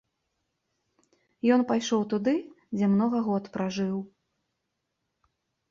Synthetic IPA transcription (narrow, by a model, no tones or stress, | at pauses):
jɔnpajʂɔwt̪ud̪ɨ | d͡zʲɛmnɔɣɐɣɔt̪pɾaʐɨw